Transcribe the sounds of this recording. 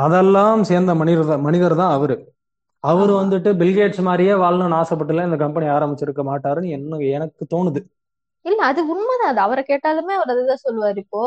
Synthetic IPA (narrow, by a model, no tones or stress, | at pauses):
ɐðɛlːaːmseːɾnd̪ɐmɐnɪɐɾðãmɐnɪðɐɾt̪ãːɐʋɐɾɯ | ɐʋɐɾɯʋɐnd̪ɯʈːɯbɪlɡeːʈsmaːd̪ɾɪjeːʋaːlnɐnaːsɐp̬ːɐʈːɯlːɐ̃ːɪnd̪ɐkɐmpɐniaːɾɐmbɪt͡ʃːɪɾɯkːɐmaːʈːaːɾɯnɛnːɐɛnɐkːɯt̪oːnɯðɯ | ɪlːɐːðɯʊɳmɐðãːɐðɐʋɐɾɐkeːʈːaːlɯmeːɐʋɐɾɐðɐt̪ãːsɔlːɯʋaːɾɪpːoː